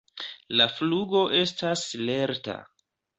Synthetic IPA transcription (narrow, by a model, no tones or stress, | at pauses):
lafluɡo̞ʔe̞stasle̞ɾta̰